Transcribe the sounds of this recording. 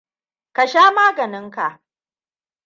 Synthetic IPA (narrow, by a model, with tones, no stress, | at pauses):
ka˨ʃaː˦maː˦ɡɐ˨nɪ˦ŋka˨ʔ